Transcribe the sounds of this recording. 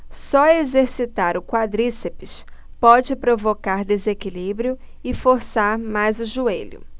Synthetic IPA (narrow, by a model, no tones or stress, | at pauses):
sɔezeɾsit̪aɾʊkwad̪ɾisepɪʃpɔd͡ʒɪpɾovokaɾd̪ezekilibɾjʊ | ɪfoɾsaɾmajzʊʒueʎʊ̰